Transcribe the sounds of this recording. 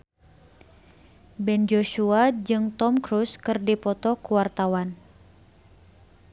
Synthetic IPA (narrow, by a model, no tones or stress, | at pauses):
bɛnd͡ʒoʃuad͡ʒɨŋt̪ɔmkɾuskɨrdipɔt̪ɔkuwart̪awan